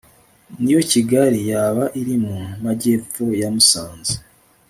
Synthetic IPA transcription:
nijo̞ciɡaɾijaːβaʔiɾimumaɟe̞ːfojamusaːnze̥

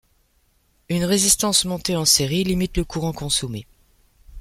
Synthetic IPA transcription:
ynʁezist̪ɑ̃smɔ̃t̪eɑ̃seʁilimit̪ləkuʁɑ̃kɔ̃some

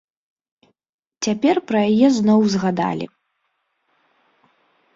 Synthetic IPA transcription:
t͡sʲapʲɛrpɾɐjajɛznɔwzɣad̪a̰lʲḭ

